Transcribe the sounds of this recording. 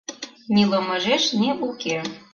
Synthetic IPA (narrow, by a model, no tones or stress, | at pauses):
nʲilɤmɤʒeʃniuke